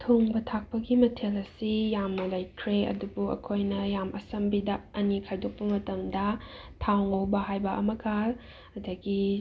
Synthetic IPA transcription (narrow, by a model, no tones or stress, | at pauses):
tʰoŋbɐtʰak̚pɐɡimɐtʰelɐsijamnɐlɐjkʰɾeɐ̰dubuɐ̰kʰojnɐjamɐsɐmbidɐɐnikʰajdok̚pɐmɐtɐmdɐtʰawŋowbɐhajbɐʔɐmɐɡa | ɐdɐɡi